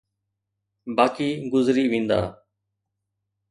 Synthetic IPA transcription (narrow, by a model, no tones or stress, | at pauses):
baːkiːɡʊzɾiːʋĩːnd̪a̰ː